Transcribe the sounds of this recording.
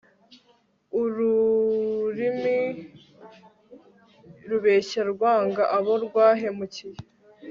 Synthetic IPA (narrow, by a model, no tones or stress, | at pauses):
uɾu | ɾimi | ɾuβe̞ːçaɾɡwaːŋɡaʔaβoɾɡwaːɦe̞mucije